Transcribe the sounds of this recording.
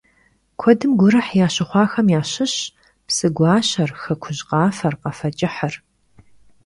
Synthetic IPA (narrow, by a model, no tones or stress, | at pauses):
kʷʰɔdɨmɡʷʊɾɨħjaːɕɪχʷɑːxɐmjaːɕɪɕ | psɨɡʷɑːɕɐrxɐkʷʰʊʑqɑːfɐrqɐfɐt͡ʃʼɪħɐr